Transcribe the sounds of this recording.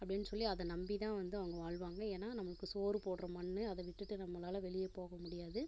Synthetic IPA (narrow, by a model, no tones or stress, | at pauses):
ɐpːɐɽɪnːɯsɔlːiɐðɐnɐmbit̪ãːʋɐnd̪ɯɐʋɐŋɡɐʋaːɭʋaːŋɡɐeːnːaːnɐmːɐɯkːɯsoːɾɯpoːɽɾɐmɐɳːɯɐðɐʋɪʈːɯʈːɯnɐmːɐlaːlɐʋɛɭɪjeːpoːɣɐmʊɽɪjaːðɯ